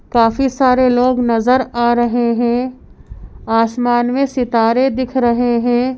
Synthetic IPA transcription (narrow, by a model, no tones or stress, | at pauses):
kaːfisaːɾeloːɡnɐzəɾaːɾɐɦeɦɛ̃ː | aːsmaːnmẽsɪt̪aːɾed̪ɪkʰɾɐɦeɦɛ̃ː